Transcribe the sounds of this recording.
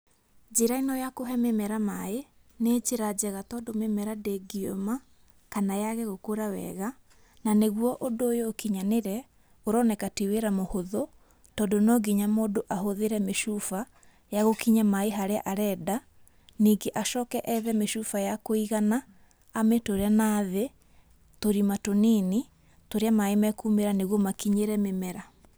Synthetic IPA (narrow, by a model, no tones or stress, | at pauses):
d͡ʒeɾainɔjakoɦɛmemɛɾamae | neːd͡ʒeɾad͡ʑɛɣatɔːdomemɛɾadeɡio̰ma | kanajaɣɛɣokoɾawɛ̰ɣa | naneɣwɔʔondoːjoːkiɲaneɾɛ | oɾɔnɛkatiweɾamohoðo | tɔːdonɔɡiɲamoːdoʔaɦoðeɾɛmeʃufa | jaɣokiɲamaeɦaɾea̰ʔaɾɛda | niːɡeʔaʃɔkɛʔɛðɛmeʃufajakoiɣanaː | mɛtoɾeanaːðe | toɾimatonini | toɾeamaemɛkumeɾaneɣwɔmakiɲeɾɛmemɛɾa